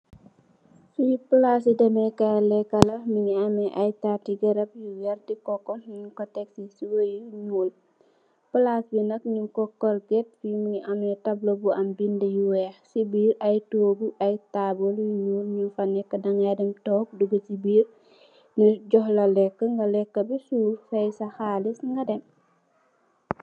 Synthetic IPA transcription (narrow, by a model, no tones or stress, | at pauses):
sujipulas̬idɐmɛkɐlɛkːɐlɐmiŋiɐmɛʔɐjtatiɡɛɾɐp̚juwɛrdikɔkːɔmiɲkɔtɛksisuwojuɲuːl | pulasbinɐkɲuŋkɔkːɔlɡɛt̚fimiɲiʔɐmɛtɐblobuɐmbindɛjuwɛxsibiːɾɐjtoːɡuʔɐjtaboljuɲuːlɲunfanɛkːɐdɐŋadɛmtɔːk̚duɡɐsibiːr | niɟɔhlɐlɛkːəŋɡɐlɛkːɐbisufɐjsɐxalisŋɡɐdɛn